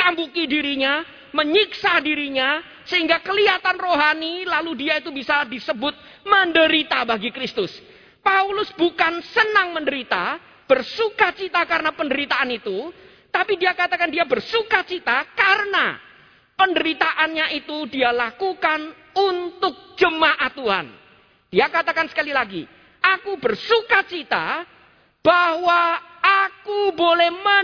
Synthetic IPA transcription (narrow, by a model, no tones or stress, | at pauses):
t̪ambukidiɾiɲa | məɲiksadiɾiɲa | səɦiŋɡakəliat̪anroɦanilaludiait̪ubisadisəbʊt̪̚ | məndəɾit̪abaɡikɾɪst̪ʊs | paulʊsbukansənaŋməndəɾit̪a | b̥ərsukat͡ʃit̪akaɾənapəndəɾit̪aːnit̪u | t̪apidiakat̪akandiabərsukat͡ʃit̪akaɾəna̰ | pəndəɾit̪aʔanɲaʔit̪udialakukan | unt̪ʊk̚d͡ʒəmaʔat̪uɦa̰n | d̥iakat̪akansə̥kalilaɡḭ | ʔakubərsukat͡ʃit̪a̰ | b̥ahwa | akubolɛhmə